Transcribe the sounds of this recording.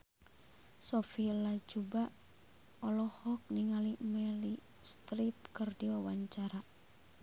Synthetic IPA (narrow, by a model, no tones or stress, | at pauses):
sɔfilad͡ʒuba | ɔlɔhɔk̚niŋalimɛli | st̪ɾip̚kɨrdiwawaɲt͡ʃaɾa